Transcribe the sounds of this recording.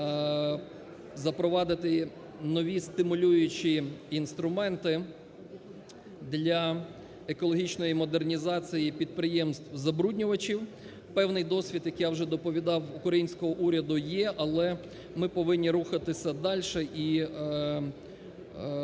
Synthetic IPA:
zɐpɾɔʋɑd̪ɪt̪ɪ | nɔʋʲist̪ɪmʊlʲujʊt͡ʃiinst̪ɾʊmɛnt̪ɪ | d̪lʲɐ | ekɔlˠɔɦʲit͡ʃnɔjimɔd̪ernʲizɑt͡sʲijipʲid̪̚pɾɪjɛmst̪ʋzɐbɾudʲnʲʊʋɐt͡ʃʲiw | pɛwnɪjd̪ɔsʲʋʲid̪jɐkjawʒɛd̪ɔpɔʋʲid̪ɑwʊkɾɐjinʲsʲkɔɦɔʔuɾʲɐd̪ʊjɛʔɐlˠɛ | mɪpɔʋɪnʲːiɾuxɐt̪ɪsʲɐd̪ɑlʲʃɛʔi

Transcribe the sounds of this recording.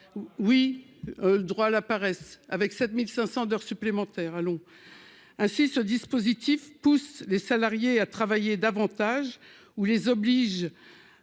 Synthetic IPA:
wi | ləd̪ʁwalapaʁɛsa̰vɛksɛt̪milsɛ̃sɑ̃d̪œʁsyplemɑ̃t̪ɛːʁalɔ̃ | ɛ̃sisəd̪ispozit̪ifpuslesalaʁjeat̪χavajed̪avɑ̃t̪aʒ | ulezɔbliʒ

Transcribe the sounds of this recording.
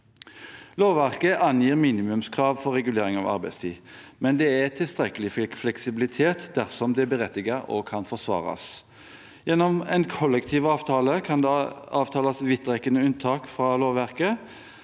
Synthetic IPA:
loːʋʋæʁkəʔɑnjiːʁmiːnɪmʉmskʰʁɑːʋfɔʁɛɡʉleːɾɪŋɑ̰ʋɑ̰ʁbæɪst̪ʰiː | mɛnd̪ɛæt̪ʰɪlst̪ʁɛkəlɪfflɛksɪbɪlɪt̪ʰeːt̪d̪æʁsɔmd̪ɛbəʁɛt̪ːɪɡɑɾɔ̰kʰɑnfɔʁsʋɑ̰ːʁɑ̰s | jɛnːɔmɛ̰ɪnkʰɔlːɛkt̪ʰiːʋɑːʋt̪ʰɑːləkʰɑnd̪eɑːʋt̪ʰɑːlɑsʋɪt̪ːʁɛkənəʉnt̪ʰɑːkfʁɑloːʋʋæʁkə

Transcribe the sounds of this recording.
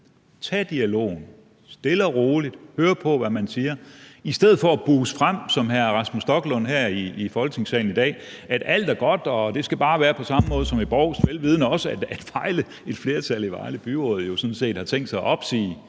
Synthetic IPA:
t͡sʰɛ̰ːd̥iælo̝̰ːn̩ | sd̥e̝lɐʁo̝ːlid̥høːɐpʰɒ̽ʋæmænsiːɐisd̥eð̞̰̩ˠfɒ̽æb̥uːsfʁam̰sɒ̽mɦæɐʁɑsmusd̥ɒ̽ɡ̥lɔ̽n̰ɦæɐ̰iːfɒ̽lɡ̥ne̝ŋsɛ̰ːln̩id̥ɛ̰ːæd̥æl̰d̥æɐɡ̥ɒ̽d̥ɒ̽d̥e̝sɡ̥æb̥ɑ̈ːʋæːɐpʰɒ̽sɑ̈məmɔ̽ːð̞̩ˠsɒ̽meb̥ɒʊ̰sd̥ʋelʋiːð̞ˠnəɒ̽səæd̥æd̥ʋɑ̈ɪlə | e̝d̥fle̝ːɐt͡sʰæliʋɑ̈ɪləb̥yʁɔ̰̽ːð̞̩ˠjo̝sɔ̽n̩se̝̰ːd̥hɑ̈t͡sʰeŋ̰d̥sɑ̈ɪʔɒ̽b̥sḭː

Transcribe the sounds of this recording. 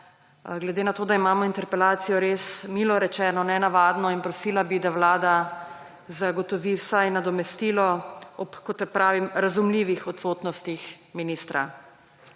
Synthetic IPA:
ɡlɛd̪eːnat̪oːd̪aimaːmɔint̪ɛɾpɛlaːt̪sijɔɾeːsmiːlɔɾɛt͡ʃɛːnɔnɛnaʋaːd̪nɔinpɾɔsiːlabid̪awlaːd̪a | zaɡɔt̪ɔʋiwsajnad̪ɔmɛst̪ilɔɔpkɔt̪ːɛpɾaːʋimɾazumliʋixɔt̪sot̪nɔst̪ix | minist̪ɾa̰

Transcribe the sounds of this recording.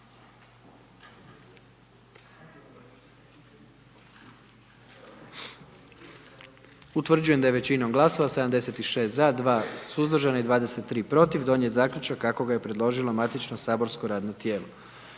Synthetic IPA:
ut̪ʋr̩d͡ʑuje̞md̪ajeʋe̞t͡ɕinomɡlˠaso̞ʋased̪amd̪e̞se̞t̪iʃe̞st̪zad̪ʋaːsuzd̪r̩ʒanaid̪ʋaːd̪e̞se̞t̪ːɾiːpɾo̞t̪iʋd̪o̞njet̪zaːkʎʲut͡ʃakːako̞ɡaje̞pɾed̪lˠo̞ʒilomat̪it͡ʃnosaːbo̞ɾsko̞ɾaːd̪not̪jeːlo

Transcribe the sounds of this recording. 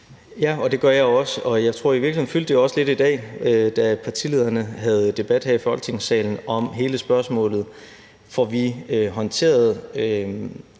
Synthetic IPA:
jæɒ̽d̥e̝ɡ̥ɶɐjɑ̈ɪɒ̽səɒ̽jɑ̈ɪt͡sʰʁo̝ɐ̰iʋiɐɡlhe̝̰n̩fyld̥əjoɒ̽səle̝d̥id̥ɛ̰ːød̥æpʰɑ̈t͡sʰile̝ð̞̰ˠɐnəɦæð̞̩ˠd̥e̝b̥æd̥hæifɒl̰ɡ̥e̝ŋsɛ̰ːln̩ɒ̽mɦe̝ːləsb̥ɶɐsmɔ̰̽ːlð̞̩ˠ | fɒʋiøɦɒ̽nt͡sʰe̝̰ːɐð̞ˠø

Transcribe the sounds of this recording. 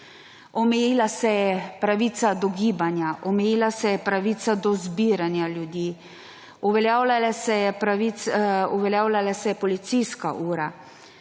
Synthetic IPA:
ɔmɛjiːlasɛjɛpɾaʋiːt̪sad̪ɔɡiːbanjaʔɔmɛjiːlasɛjɛpɾaʋiːt̪sad̪ɔzbiːɾanjaljud̪jiː | uʋɛljaːwlalasɛjɛpɾaʋisuʋɛljaːwlalasɛjɛpɔlit̪sijska̰ʔuːɾa

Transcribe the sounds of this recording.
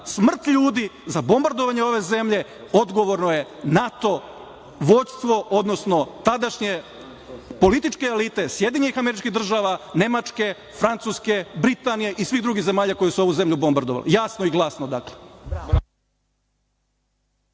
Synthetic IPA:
smr̩t̪ʎuːd̪izabo̞mbaɾd̪oʋaɲeo̞ʋe̞ze̞mʎe̞ | o̞d̪ɡo̞ʋo̞ɾnoje̞nat̪o̞ | ʋo̞d̪st̪ʋo̞o̞d̪nosno̞t̪ad̪aʃɲe̞ | po̞lit̪it͡ʃke̞ːlit̪e̞sje̞d̪iɲenixame̞ɾit͡ʃkiɣd̪r̩ʒaːʋane̞mat͡ʃke̞ | fɾant̪suːske̞bɾit̪anijeʔisʋiɣd̪ɾuɡize̞maːʎako̞jesuo̞ʋuze̞mʎʲubo̞mbaɾd̪oʋa̰lḛjasnoiɡlˠasnod̪akle

